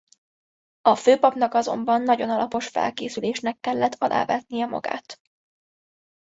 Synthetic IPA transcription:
ɒføːpɒpnɒkɒzo̞̰mbɒnːɒɟo̞nɒlɒpo̞ʃfɛ̰lkeːsyleːʃnɛkːɛlːɛt̪ʰːɒlʔa̰ːvɛt̪nijɛmɒ̰ɡa̰ːt̪

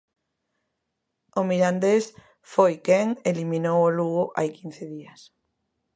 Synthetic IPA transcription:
omiɾand̪es | fojkɛŋeliminowoluɣʊʔajkin̟θeðiɐs

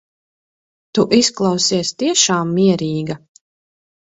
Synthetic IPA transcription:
t̪uʔisklˠɑwsiɛst̪iɛʃaːmːiɛɾiːɡɐ

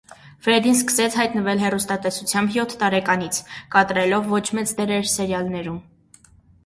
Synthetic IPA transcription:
fɾɛd̪ins̬kə̥sɛt͡sʰhɑjt̪nəvɛlɦɛrust̪ɑt̪ɛsut͡sʰjɑmbjɔt̪ʰːɑɾɛkɑnit͡sʰkɑt̪ɾɛlɔvːɔt͡ʃʰmɛt͡sd̪ɛɾɛɾsɛɾjɑlnɛɾum

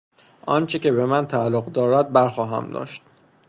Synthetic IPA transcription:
ʔɒːnt͡ʃʰecʲe̞be̞mænt̪ʰæːlːoɣd̪ɒːɾæd̪̚bæɾxɒːɦæ̰md̪ɒ̰ːʃt̪

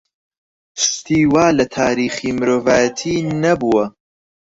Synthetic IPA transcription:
st̪iːwaːlɐt̪ʰaːɾiːχiːmɨɾoːvaːjɐt̪ʰiːnɐbuwɐ

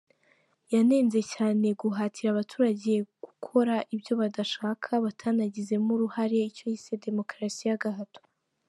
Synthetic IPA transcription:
jane̞ːnze̞caːne̞ɡuɦaːtʰiɾaβatʰuːɾaɟe̞ɡ̥ukʰo̞ɾaʔibjo̞βadaʃaːkʰaβatʰanaɟize̞muɾuhaɾe̞ico̞hise̞de̞mo̞kɾasijaɡaɦato̥

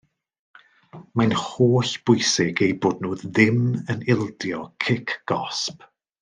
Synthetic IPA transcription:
manhoːɬb̥ʊjsɪɡejboːdnoːððɪmənɪlˠdjɔkʰɪkʰɡ̥ɔsp

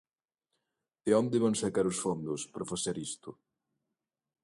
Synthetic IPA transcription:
ɪond̪ɪβaŋsɐkaɾʊsfond̪ʊspɾɐfaseɾist̪ʊ

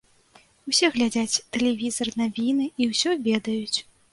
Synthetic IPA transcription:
usʲɛɣlʲad͡zʲat͡sʲt̪ɛlʲɛvʲizɐrnavʲinɨiwsʲɔvʲɛd̪ɐjut͡sʲ

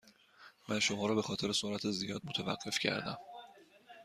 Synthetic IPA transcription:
mænʃo̞mɒːɾɒːbe̞xɒːt̪e̞ɾesoɾæt̪ʰezijɒːd̪̚mot̪ʰævæ̰ɢ̥ːe̞fcʰæ̰ɾd̪æ̰m

